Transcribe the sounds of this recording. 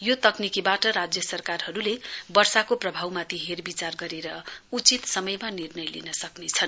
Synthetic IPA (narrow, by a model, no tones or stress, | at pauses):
jot̪ʌknikibaʈʌɾad͡zjʌsʌrkarhʌɾulebʌrsakoprʌbʱawmat̪ʰiɦerbit͡sarɡʌɾeɾʌut͡sit̪sʌmʌjmanirnʌjlḭnʌsʌknet͡sʰʌn